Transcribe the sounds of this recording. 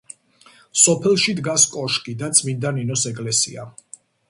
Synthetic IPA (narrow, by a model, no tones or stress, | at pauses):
sɔpʰɛlˠʃid̪ɡaskʼɔʃkʼid̪at̪sʼʰmind̪aninɔsɛɡʼlɛsḭa̰